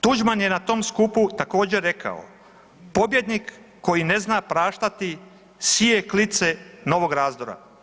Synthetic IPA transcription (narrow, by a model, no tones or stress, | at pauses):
t̪ud͡ʒmanje̞nat̪o̞mskuput̪ako̞ːd͡ʑe̞ɾe̞kʰa̰o̰ | po̞bje̞d̪nikː | o̞jine̞znapɾaːʃt̪at̪i | sije̞klit̪se̞no̞ʋo̞ɡɾaːzd̪o̞ɾa̰